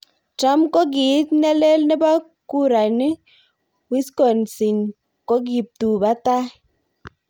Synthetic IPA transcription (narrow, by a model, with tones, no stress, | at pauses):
ta˦mkɔ˦ɡi˨˦tnɛ˦le˦lnɛ˦ba˦ | ku˦ɾa˨ni˦ | wi˦skɔ˨nsi˨n | ko˦ɡ̬i˨p̚tu˨ba˦ta˦